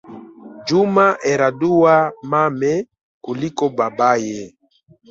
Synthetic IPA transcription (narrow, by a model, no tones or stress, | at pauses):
d͡ʒumaʔɛɾaduwamamɛ | kulikɔbabajɛ